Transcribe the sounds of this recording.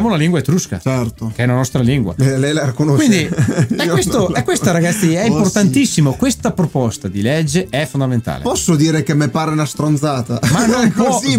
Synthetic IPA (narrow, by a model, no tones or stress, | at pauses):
jamonaliŋɡwaet̪ːɾuska̰t͡ʃɛrt̪okeɛunanɔst̪ɾaliŋɡwa̰elɛjlaɾikonowʃind̪iɛest̪oɛkːwest̪aɾaɡat̪sːiɛimmport̪ant̪isːimokwest̪apɾopɔst̪ad̪iled͡ʒːeɛfond̪ament̪a̰ːlepɔsːod̪iːɾekemːepaːɾeunast̪ɾonzaːt̪amanoɔi